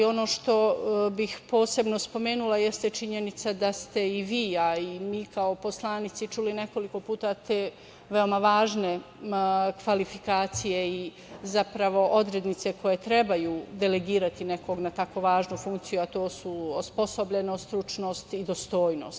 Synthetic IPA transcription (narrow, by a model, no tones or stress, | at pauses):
o̞no̞ːʃt̪o̞bixpo̞ːse̞bno̞spo̞me̞ːnulajest̪et͡ʃiɲe̞nit̪sad̪ast̪e̞iʋiːaimiːkaopo̞slˠaːnit̪sit͡ʃuline̞ko̞liko̞puːt̪at̪eː | ʋeomaʋaːʒne̞ | kʋalifikaːt̪sije̞i | zapɾaʋo̞ʔo̞d̪ɾe̞d̪nit̪se̞kʰo̞je̞t̪ɾe̞bajuːd̪e̞leɡiːɾat̪ine̞koɡnat̪akoʋaːʒnufuŋk̚t̪sijuat̪o̞ːsuosposo̞bʎenost̪ɾut͡ʃno̞ːst̪id̪ost̪o̞ːjno̞̰ːst̪